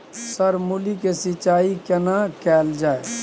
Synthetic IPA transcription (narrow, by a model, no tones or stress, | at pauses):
səɾmulikesɪt͡ʃaːikənakɛːld͡ʒaːe